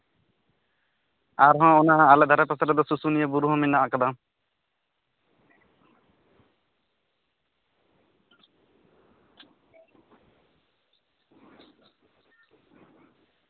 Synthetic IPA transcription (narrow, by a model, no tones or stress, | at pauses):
aɾɦɔ̃onaaled̪ʱaɾapasaɾɔd̪esusunijebuɾuɦɔ̃minːaakad̪a